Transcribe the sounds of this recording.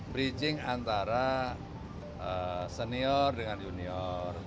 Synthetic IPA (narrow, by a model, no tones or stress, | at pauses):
bɾit͡ʃɪŋant̪aɾa | əsəniɔrdəŋanjuniɔr